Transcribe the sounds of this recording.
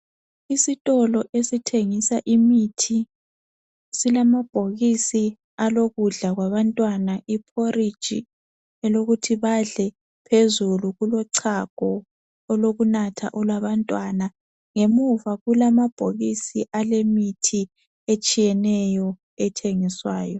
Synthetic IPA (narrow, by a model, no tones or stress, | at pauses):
isitʼɔlɔʔesitʰeŋisaʔimitʰi | silamab̥ʱoɣisi | aloɣuɮaɣwaβantʼwanaʔipʰorid̥ʒ̥ʱḭ | ɛloɣutʰiβaɮɛ | pʰezuluɣulɔǀʰaɡ̥ʱɔː | loɣunatʰa̰ʔɔlwaβantʼwana | ŋemuvaɣulamab̥ʱoɣisiʔalemitʰi | et͡ʃʼijɛnɛjɔ | ɛtʰeŋiswaːjɔ